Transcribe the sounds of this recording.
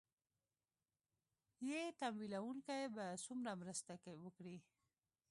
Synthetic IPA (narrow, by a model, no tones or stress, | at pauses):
jet̪amwilawuŋkajbasumɾamɾəst̪akewəkɽi